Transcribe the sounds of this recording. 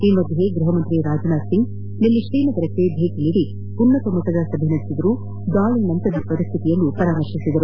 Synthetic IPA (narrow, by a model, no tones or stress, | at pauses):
imʋɐd̪ːiɦeɡɾuɦɐmɐnt̪ɾiɾaːd͡ʒɐnaːsiŋɡ | nilːiʃɾiːnɐɡɐɾɐkːeb̪ʱeːkiɭiɽi | punːɐt̪ɐmɔt̪ːɐd̪ɐsɐbʱinɐd̪isid̪ɐɾu | d̪aːɭinɐnt̪ɐd̪ipɐɾist̪ʰit̪ijɐlːupɐɾaːmɐɾʃisid̪ɐɾu